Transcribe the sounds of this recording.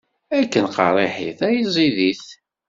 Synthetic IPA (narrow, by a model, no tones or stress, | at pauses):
ækːənqɑ̰ɾˤeħḭθæjizˤiðiθ